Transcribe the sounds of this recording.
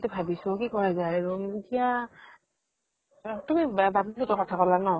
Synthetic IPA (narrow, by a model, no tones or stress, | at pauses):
tɛbʱabisʊ̃kikɔɹazajɹutija | tumibatilɔtɔkɔtʰakɔlanɔ